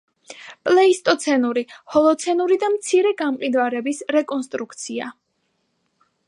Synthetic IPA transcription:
pʼlɛist̪ʼɔt̪sʰɛnuɾihɔlˠɔt̪sʰɛnuɾid̪amt̪sʰiɾɛɡamqʼid̪vaɾɛbisɾɛkʼɔnst̪ʼɾukʰt̪sʰia̰

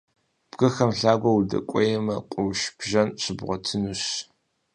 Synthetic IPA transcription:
b̥ɣɐxɐmɬaːɡʷɐwudɐ̰kʷʼɔjɛmɐqʷʼʊwʃb̥ʒɐnɕʼɪbʁʷɔtʰɨnuɕ

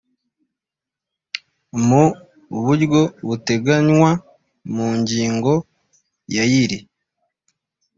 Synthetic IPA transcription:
mu | βuɾɡo̞βute̞ɡaɲwa | muɲɟiːŋɡo̞ | jajiɾi

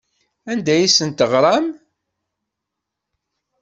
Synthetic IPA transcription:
ænd̪æjisənt̪əʁɾˤɑm

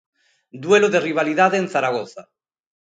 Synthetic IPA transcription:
d̪weloðeriβaliðaðeːnθaɾaɣoθa

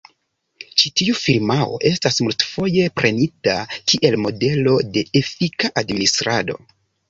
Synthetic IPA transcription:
t͡ʃitiufiɾmao̞̰ʔe̞stasmultfo̞je̞pɾʔe̞nitakiʔe̞lmo̞de̞lo̞de̞ʔefikaʔadministɾado̞̰

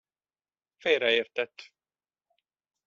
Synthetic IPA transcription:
fejɾɛeːrt̪ɛt̪ː

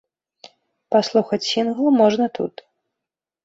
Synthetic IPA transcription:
paslˠuxɐt͡sʲsʲinɣlˠmɔʐnɐt̪ṵt̪

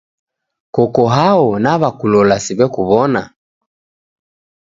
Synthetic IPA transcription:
kɔkɔɦaɔnaβakulɔlasiβɛkuβɔna

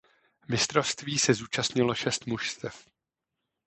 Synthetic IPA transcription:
mɪst̪ɾo̞fst̪viːsɛzuːt͡ʃast̪ɲɪlo̞ʃɛst̪muʃst̪ɛf

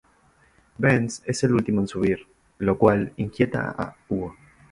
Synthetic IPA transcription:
benseselult̪imoensuβiɾ | lokwaliŋkjet̪a̰a̰uo

